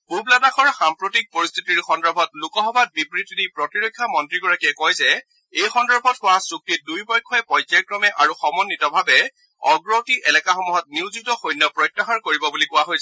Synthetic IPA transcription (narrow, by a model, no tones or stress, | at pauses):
bublanaxɔɹxampɹotik̚poɹist̪ʰitiɹxɔndɔɹbʱɔtlukɔxɔbat̚bibɹitidipɹɔtiɹojkʰːamɔntɹiɡɔɹakiɛkɔjzɛ | ejxɔndɔɹbʱɔtxʊasuk̚tit̚dujbɔjkʰːɔɛpɔjzajkɹɔmɛʔaɹuxɔmɔnːitɔbʱabɛ | ɔɡɹotiʔɛlɛkaxɔmuɦɔt̚niwzitɔxojnːɔpɹɔjtːaxaɹkoɹibɔbulikʊwaɦojsɛ